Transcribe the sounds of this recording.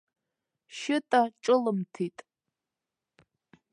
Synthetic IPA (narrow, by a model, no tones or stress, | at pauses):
ʃɪtʼaʈ͡ʂʼɨlɨmtʰitʼ